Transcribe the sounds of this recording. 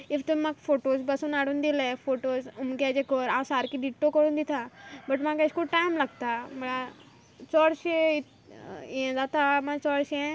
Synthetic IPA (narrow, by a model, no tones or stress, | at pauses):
iʋt̪ummakfoʈosbɐsuːnaɽuːnd̪ilefoʈozumɡad͡ʑekɔɾãsaɾkiɖiʈːokəɽũːnd̪it̪ʰabɐʈmãkəʃkuʈajmlaɡt̪amɐɭa | t͡sɔɽɕeit̪ | ẽd͡zat̪amãɔɽɕẽ